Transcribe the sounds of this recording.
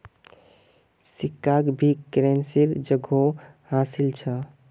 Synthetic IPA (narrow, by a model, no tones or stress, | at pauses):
sikːakbʱikɾensiɾd͡ʒəɡʱo | ɦãsilt͡ʃʰə